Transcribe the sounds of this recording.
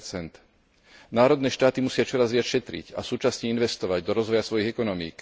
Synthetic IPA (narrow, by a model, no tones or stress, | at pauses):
t͡sɛnt̪ | naːɾɔd̪nɛːʃt̪aːt̪imusɪat͡ʃɔɾazʋɪacʃɛt̪ɾḭca̰suːt͡ʃasɲɛinʋɛst̪ɔʋaɟd̪ɔɾɔzʋɔjasʋɔjiɣɛkɔnɔmḭːk